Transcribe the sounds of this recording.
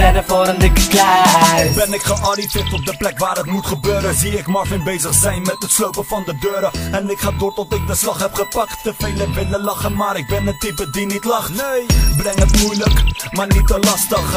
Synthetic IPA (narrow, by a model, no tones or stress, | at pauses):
ɛdəfoːɾəndɪkəklɛbɛnɪkχəʔɑrifɪtɔp̚dəplɛkʋaːrətmutχəbøːɾəziɪkmɔrfɪbejzəχzɛjnmɛtətslowpəfɑndədøːɾəɛnɪkχaːkortɔtɪk̚dəslɑχɦɛpχəpɑk̚ttəfejləʋɪləlɑχənmaːɾɪk̚bɛnətipədinitlɑχnejbrɛŋətmujləkmaːrnit̚dəlɑstəχ